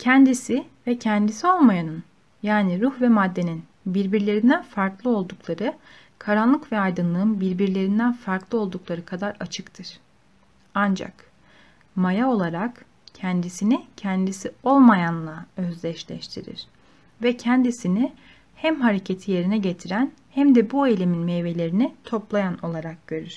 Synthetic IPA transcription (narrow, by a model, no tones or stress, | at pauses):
cʰɛnd̪isivɛcʰɛnd̪isio̞lˠmajanɯn | jaːniɾuhvɛmad̪ːe̞nin | biɾbiɾlʲe̞ɾind̪ænfaɾklˠɯo̞lˠd̪uklˠaɾɯ | kʰaɾanlˠɯkvɛajd̪ɯnlˠɯɯnbiɾbiɾlʲe̞ɾind̪ænfaɾklˠɯo̞lˠd̪uklˠaɾɯkʰad̪aɾat͡ʃʰɯkt̪ʰɯɾ̥ | and͡ʒa̰k | majao̞lˠaɾak | cʰɛnd̪isinicʰɛnd̪isio̞lˠmajanlˠaøzlʲɛʃlʲɛ̰ʃt̪ʰiɾḭɾ̥ | vɛcʰɛnd̪isinɪ | hæmɦaɾe̞cʰe̞t̪ʰije̞ɾinɛɟe̞t̪ʰiɾæn | hæmd̪ɛbuejlʲe̞minmejve̞lʲe̞ɾinit̪ʰo̞plˠajano̞lˠaɾak̚ɟ̥ø̞ɾyɾ̥